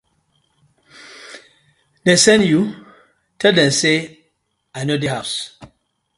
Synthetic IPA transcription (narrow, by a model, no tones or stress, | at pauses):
dɛ̃sɛ̃nju | tʰɛldɛ̃mse | ajnodiɦas